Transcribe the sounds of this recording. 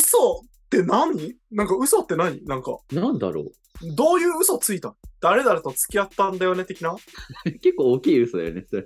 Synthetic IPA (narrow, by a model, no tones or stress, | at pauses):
ɯ̟so̞ | t̪ːe̞naɲ̟i | nãŋkaɯ̟so̞t̪ːe̞naɲ̟inãŋka̰nãnd̪a̰ɾo̰ː | d̪o̞ːjɯ̟ːɯ̟so̞t͡sɨit̪ãd̪̥aɾe̞d̪aɾe̞t̪ot͡sɨ̥kʲiat̪ːãnd̪ajo̞ne̞t̪ːe̞kʲinake̞kːoːkʲiːɯ̟sod̪a̰jo̰neoɾ